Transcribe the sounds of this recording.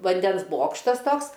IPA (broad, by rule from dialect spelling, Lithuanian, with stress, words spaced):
ʋɐnʲˈdʲɛns ˈboːkʃtɐs ˈtoːks